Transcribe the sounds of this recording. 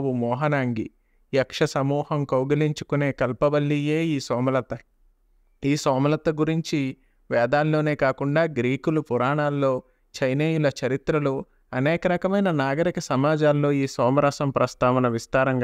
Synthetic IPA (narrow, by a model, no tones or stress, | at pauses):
ʋumɔːɦɐnaːŋɡḭ | jɐkʂɐsɐmuːhɐmkɐwɡɐliɲt͡ʃu̥kune̞ːkɐlpɐbɐlːije̞ːiːsɔːmɐlɐt̪ɐ | iːsɔːmɐlɐt̪ːɐɡuɾiɲt͡ʃi | ʋɛːd̪aːlːo̞ːne̞ːkaːkuɳɖaːɡɾiːkulupuɾaːɳaːlːo̞ː | t͡ʃɐjneːjulɐt͡ʃɐɾit̪ɾɐlu | ɐneːkɐɾɐkɐmɐjnɐnaːɡɐɾikɐsɐmaːd͡ʒaːlːo̞ːiːsɔːmɐɾɐsɐmpɾɐst̪aːʋɐnɐʋist̪aːɾɐŋɡ